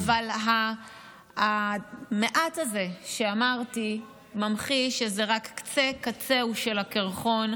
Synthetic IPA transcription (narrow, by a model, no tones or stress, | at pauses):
avalɦa | meʔataze̞ʃeamaʁti | mamχiʃezeʁakːt͡se̞kat͡se̞uʃe̞lakeʁχo̞n